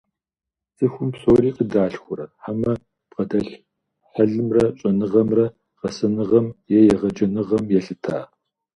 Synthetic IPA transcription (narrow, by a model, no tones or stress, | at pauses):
sʼɨxʷʊmpsoːɾiːqədaːɬxʷʊɾɐħamɐ | p̚qɐdɐɬ | ħɐɮɨmrɐɕʼɐnɨʁɐmrɐ | qɐsɐnɨʁɐmjɛjɛʁɐd͡ʒɐnɨʁɐmjɛɬɨtʰa̰ː